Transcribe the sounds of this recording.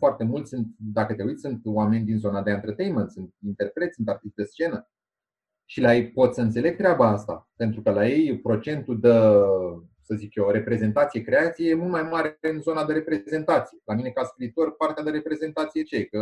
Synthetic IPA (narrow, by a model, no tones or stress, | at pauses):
foart̪e̞mult̪sunt̪d̪akət̪e̞ujt̪sʲsunt̪wame̞nʲd̪inzo̞nad̪eant̪ərt̪ejnment̪sunt̪̚int̪e̞rpɾe̞t̪sʲɨnt̪art̪ist̪̚d̪est͡ʃe̞nə | ʃilajejpo̞t̪sʲəɨnt̪se̞le̞ɡ̚t̪ɾeabaast̪a̰pe̞nt̪ɾukəlaje̞jpɾo̞t͡ʃe̞nt̪ud̪ə | səzikjoɾe̞pɾe̞ze̞nt̪at̪sije̞kɾe̞at̪sijejemult̪majmaɾeɨnzo̞nad̪eɾe̞pɾeze̞nt̪at̪sije̞lamine̞kaskɾiːt̪o̞rpart̪ead̪eɾe̞pɾe̞ze̞nt̪at̪sije̞t͡ʃeekə